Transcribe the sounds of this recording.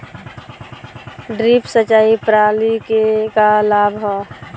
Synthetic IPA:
ɖɾipsət͡ʃaːipɾalikekalaːbʱɦɔː

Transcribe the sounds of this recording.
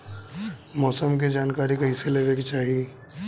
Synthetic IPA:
mɔːsəmk̬ed͡ʒaːnkaːɾikɐɦĩseleːʋekt͡ʃaːɦie

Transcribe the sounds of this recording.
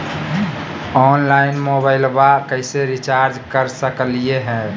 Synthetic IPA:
ɔːnlaɪnmobaɪlbakəɪseɾit͡ʃaːɾd͡ʒkəɾsəklieɦɛ̃

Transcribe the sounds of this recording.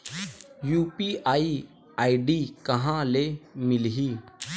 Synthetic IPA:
juːpiːaːiː | aːiɖiːkəɦãːleːmɪlɦiː

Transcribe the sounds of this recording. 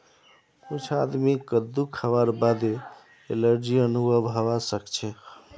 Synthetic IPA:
kut͡ʃʰad̪mikəd̪ukʰəʋaɾbad̪e | eləɾd͡ʒiənubʱəbʱəʋasəkt͡ʃʰe

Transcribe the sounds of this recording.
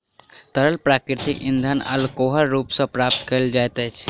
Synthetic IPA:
t̪əɾəlpɾakɾɪt̪ikĩnd̪ʱanə̰lkoɦəɾɾuːpsə̃pɾap̚t̪kəld͡ʒaet̪ət͡ʃʰ

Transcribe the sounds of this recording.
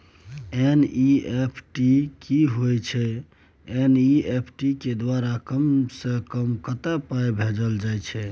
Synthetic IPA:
eniepʰʈikiɦojt͡ʃʰɛ | eniepʰʈiked̪waɾakəmsə̃kəmkət̪apajbʱed͡ʒəld͡ʒajt͡ʃʰɛ

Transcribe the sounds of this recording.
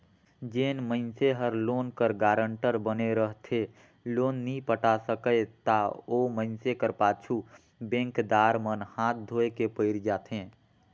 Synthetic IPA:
d͡ʒeːnməɪnseɦəɾloːnkəɾɡaːɾəɳʈəɾbəneɾəɦt̪ʰe | loːnːəĩpəʈasəkəet̪aoːməɪnsekəɾpaːt͡ʃʰu | bẽːŋkd̪aːɾmənhaːt̪̚d̪ʱoːekepəɪɾd͡ʒaːt̪ʰɦẽː

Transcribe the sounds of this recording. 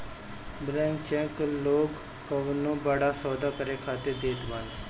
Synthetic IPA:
bɾɛ̃ːnt͡ʃɛ̃kloːkː | əʋnũːbaɽaːsɔːd̪aːkəɾeːkʰaːt̪eːd̪eːt̪baːn

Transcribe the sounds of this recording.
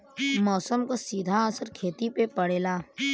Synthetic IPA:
mɔːsəmkasiːd̪ʱaəsəɾkʰeːt̪ipepəɽeːlaː

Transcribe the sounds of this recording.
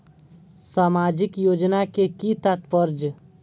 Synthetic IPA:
saːmaːd͡ʒɪkjoːd͡ʒnakekit̪at̪pəɾd͡ʒ

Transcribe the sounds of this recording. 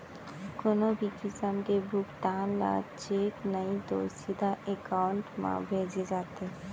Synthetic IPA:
konobʱikɪsəmkebʱʊkʈ̪aːnla̰ːt͡ʃeːknɐit̪o̰ːsid̪ʱaekaːʊɳʈmã̰bʱeːd͡ʒed͡ʒaːt̪eɦɛ

